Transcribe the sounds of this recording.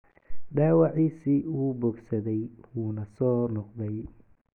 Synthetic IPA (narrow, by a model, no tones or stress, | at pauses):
ɖaːwɑʕiːsiːuːbɔɡsɐðɛjwuːnɐsɔːnɔqd̪ɛj